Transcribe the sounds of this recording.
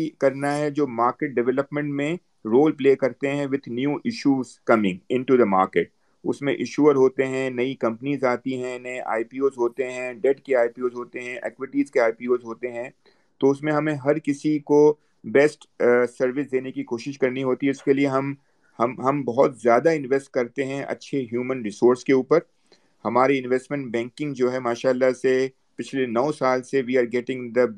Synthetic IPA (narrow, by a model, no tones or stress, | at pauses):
ikɐɾnaɦɛd͡ʒoːmaːɾkeʈ̚ɖɛʋɛləpmɛ̃ɳʈmẽ | ɾoːlpleːkɐɾt̪eɦɛ̃ʋɪd̪ʰʱnjuːʔɪʃuːzkɐmɪ̃ŋɡɪ̃ɳʈud̪əma̰ːɾkeːʈ̚ | ʊ̰smḛ̃ʔɪʃuːəɾɦoːt̪eɦɛ̃nɐikɐ̃mpənizaːt̪iɦɛ̃nɐeʔa̰ːipiːoːzɦoːt̪eɦɛ̃ɖɛʈkeaːipiːoːzɦoːt̪eɦɛ̃ʔɛ̰kʋɪʈiːzkeaːipiːoːzɦoːt̪eɦɛ̃ | t̪oʊsmẽɦɐmẽɦɐɾkɪsiko | bɛsʈ | sɐɾʋɪsd̪eːnekikoːʃɪʃkɐɾniɦoːt̪iɛɪskelieɦɐm | hɐmɦɐmbɐɦɔt̪zjaːd̪aɪ̃nʋɛsʈ̚kɐɾt̪eɦɛ̃ʔɐ̰tːʃʰeɦjuːmə̃nɾɪsoːɾskeuːpəɾ | hɐmaːɾeɪ̃nʋɛsʈmɛ̃ɳʈbɛ̃ːŋkɪ̃ŋɡd͡ʒoːɦɛmaːʃaːlːase | pɪt͡ʃʰlenɔːsaːlseʋiːaːɾɡɛːʈɪ̃ŋd̪ə